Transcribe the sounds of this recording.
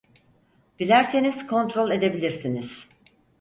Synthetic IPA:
d̪̥ilʲæɾse̞niz̥kʰo̞nt̪ɾolʲˠe̞d̪e̞bilʲiɾsiniz̥

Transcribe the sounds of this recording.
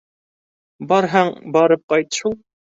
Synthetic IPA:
bɑɾɦæŋbɑɾɨp̚qɑjt̪ʃulˠ

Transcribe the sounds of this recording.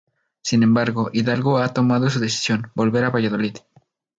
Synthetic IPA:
sinẽ̞mbaɾɣo̞ʔiðalɣoat̪o̞maðo̞s̬uðe̞si̥sjo̞nbo̞lβe̞ɾaβaʝaðo̞lið̥

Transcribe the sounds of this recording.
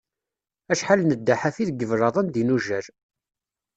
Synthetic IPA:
æʃħalnəd̪ːaħafiðɡəvɾɑðˤɑnd̪inuʒæɾ

